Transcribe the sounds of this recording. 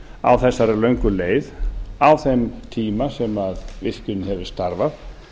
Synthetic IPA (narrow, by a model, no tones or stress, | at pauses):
a̰wθɛsːaɾɛlœɥŋkʏleːjðawθɛmt̪ʰiːmasɛmaðvɪr̥cʏnɪhɛvɪ̥st̪aɾvaθ